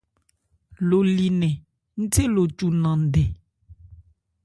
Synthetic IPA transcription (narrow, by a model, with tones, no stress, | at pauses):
lo˨li˨nɛ̃˨ | ŋ̩˦te˦lo˨t͡ʃu˨nã˨ɖe˨